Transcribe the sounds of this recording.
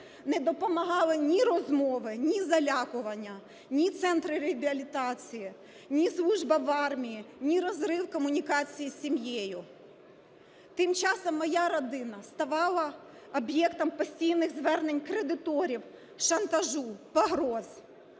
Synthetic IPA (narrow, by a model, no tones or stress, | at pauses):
nɛd̪ɔpɔmɐɦɑlˠɪnʲiɾɔzmɔʋɪnʲizɐlʲɑkʊʋɐnʲːɐ | nʲit̪sɛnt̪ɾɪɾebʲɪɐlʲit̪ɑt͡sʲiji | nʲislˠuʒbɐʋɑrmʲijinʲiɾɔzɾɪwkɔmʊnʲikɑt͡sʲijisʲimjejʊ | t̪ɪmt͡ʃɑsɔmːɔjaɾɔd̪ɪnɐst̪ɐʋɑlˠɐ | ɔbjɛkt̪ɔmpɔsʲtʲijnɪɣzʋɛrnenʲkɾed̪ɪt̪ɔɾʲiw | ʃɐnt̪ɐʒupɐɦɾɔz̥